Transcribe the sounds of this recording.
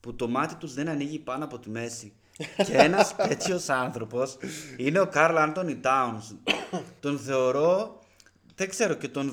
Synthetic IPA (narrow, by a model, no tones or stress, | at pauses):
put̪o̞mɐt̪it̪uzðenɐniʝipɐnoɐpo̞t̪ime̞si | cee̞nɐset͡sio̞sɐnθɾo̞po̞sine̞o̞kɐɾlɐnt̪o̞nit̪ɐunst̪o̞nθe̞oɾo̞ | ðekse̞ɾo̞ce̞t̪o̞n